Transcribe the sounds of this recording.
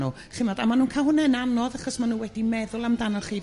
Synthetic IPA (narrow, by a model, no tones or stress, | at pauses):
u | χɪmɛdamanuːnkʰaɦʊnɛnanɔðaχɔsmanuːwɛdimɛðʊlˠamdanɔlˠχiː